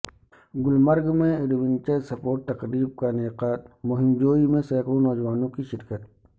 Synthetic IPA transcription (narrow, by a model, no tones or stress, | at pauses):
ɡʊlməɾɡmẽɪɾʋɪnt͡ʃəsɐpoːʈ̚t̪ɐqɾiːb̚kaneːqaːt̪̚mʊɦɪmd͡ʒoːimẽsɛːkɾonɔːd͡ʒʋaːnõkiʃɪɾkət̪̚